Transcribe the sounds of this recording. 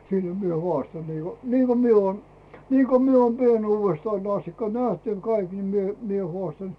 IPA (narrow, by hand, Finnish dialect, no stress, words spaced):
silːĕ̥ mie hŭɑˑstɑn niːko niːko mie oːn niːko mie oːn pienuːʋestɑin ɑstikːɑ næht ɑiŋ kɑik ni mie mie hŏɑˑstɑn